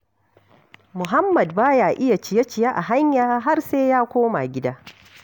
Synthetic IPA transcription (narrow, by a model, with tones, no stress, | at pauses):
mʊ˨ɦa˦mːɐ˨dbaː˦jaː˨ʔɪ˦ja˨t͡ʃɪ˨ja˦t͡ʃɪ˨ja˦ʔa˨ɦa˦ɲjaː˦ɦa˦rseː˦jaː˦kʷoː˦ma̰˨ɡʲɪ˦daː˦